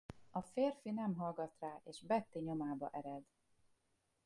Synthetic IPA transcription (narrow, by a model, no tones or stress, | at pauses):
ɒfeːrfinɛmɦɒlɡɒt̪raːʔeːʃbɛt̪ːiɲo̞maːbɒ̰ʔɛɾɛd̪